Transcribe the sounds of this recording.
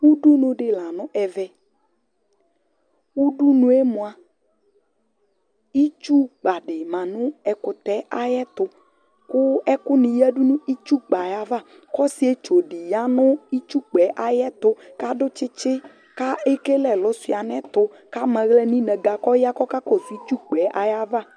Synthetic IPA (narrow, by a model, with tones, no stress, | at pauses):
wu˦ɖu˦nʊ̃˨ɖɪ˨la˨nʊ̃˦ʔɛ˨vɛ˨ | u˦ɖu˦nũ˨˦e˦mʊ̃˨a˨ | i˦t͡ʃu˦ɡ͡ba˨ɖɪ˨mã˨nʊ̃˦ɛ˨kʊ˨t̪ɛ˦ʔa˦jɛ˦t̪ʊ˨ | kʊ˦ɛ˦kʊ˦nĩ˨jɛ˦ɖu˦nũ˦i˦t͡ʃu˦k͡pa˨ja˨va˦˨ | kɔ˦si˦e˦t͡ʃo˨ɖi˨ja˦nʊ̃˦i˦t͡ʃu˦k͡pɛ˨˦ʔa˨jɛ˦t̪ʊ˦ka˦ɖʊ˦t͡ʃɪ˦t͡ʃɪ˦ | ka˦e˦ke˦lɛ˨lʊ˨˦si˨a˨nɛ̃˦t̪ʊ˨˦ | ka˦mɛ̃˨ɣlɛ˦nĩ˦nɛ̃˨ɡa˨kɔ˦ja˦kɔ˦ka˦kɔ˦su˨i˦t͡ʃu˦k͡pɛ˨˦ʔa˨ja˦va˦˨